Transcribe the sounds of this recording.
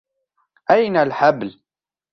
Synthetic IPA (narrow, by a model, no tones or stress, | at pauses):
ʔajnalħabl